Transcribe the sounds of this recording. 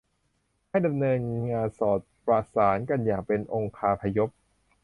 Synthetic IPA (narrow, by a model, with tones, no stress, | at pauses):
ha˥˩jda˧mnɤː˧nŋaː˧nsɔː˨˩t̪̚pɾa˧˩saː˩˦nka˧njaː˨˩ŋpe˧nʔo˧ŋkʰaː˧pʰa˧jo˦˥p̚